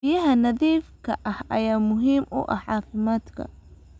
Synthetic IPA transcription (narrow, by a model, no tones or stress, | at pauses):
ɪjɐɦɐnɐðiːfkʰɐʔɐhɐ̰jaːmʊɦiːmʔʊ̰ʔɐħʕɑːfɪmaːd̪kʰɐ̰